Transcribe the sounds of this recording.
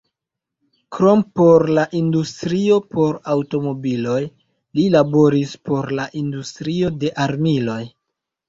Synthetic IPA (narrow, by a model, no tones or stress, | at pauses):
kɾo̞mpo̞ɾlaʔindustɾio̞po̞ɾawto̞mo̞bilo̞j | lilabo̞ɾispo̞ɾlaʔindustɾio̞de̞ʔaɾmilo̞j